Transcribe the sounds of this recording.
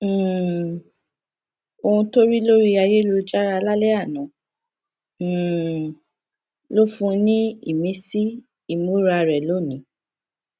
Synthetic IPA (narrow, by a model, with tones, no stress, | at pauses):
o˧ũ˧to˦ɾi˦lo˦ɾi˦a˧je˦lo˧d͡ʒa˦ɾa˧la˦lɛ˦a˦˨nã˨˦˨ | lo˦fũ˦˧nĩ˦ḭ˦˨mẽ˦si˦ | i˦˨mo˨˦ɾa˧˨ɾɛ˨lo˨˦˨nĩ˨˦